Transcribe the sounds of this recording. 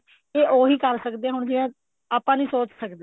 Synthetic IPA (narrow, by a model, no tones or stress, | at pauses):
eːʔoːɦiːkəɾsəkd̪eːɦʊɳd͡ʒɪʋẽː | aːpãːnĩːsoːt͡ʃsəkd̪e